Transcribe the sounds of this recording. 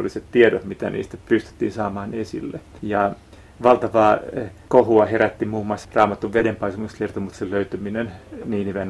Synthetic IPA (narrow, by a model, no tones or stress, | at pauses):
olːisett̪iedot̪mit̪ænḭːst̪æpyst̪y̥t̪ːḭːnsɑːmɑːnesḭlːe | jɑ | ʋɑlt̪ɑʋɑːkohuɑheɾæt̪ːimuːmːoɑsrɑːmɑt̪ːuʋʋedempɑisemuskert̪omut̪seløyt̪øminenniːniʋen